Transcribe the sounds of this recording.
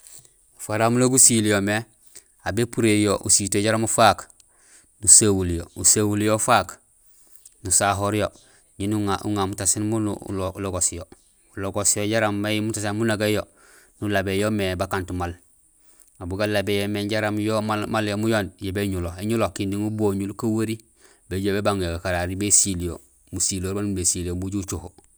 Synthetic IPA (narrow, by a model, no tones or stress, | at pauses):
ufaɾamuloɡusiljome | abepuɾejoʔusitoɟaɾamufak | nusawuljousawuljofaːk | nusaɦoɾjo | ɲinuŋaṵŋamutasinmunṵloloɡosjo | uloɡosijoɟaɾamːamutasanmunaɡajo | nulabejomebakantumal | abuɡalabejomeɟaɾamjomamaljomujondjebeɲuloeɲulokindiŋuboɲulkawaɾi | beɟobebaŋjoɡakaɾaɾibesilijo̰ | musiloːɾbanbesilijombuɟut͡ʃuho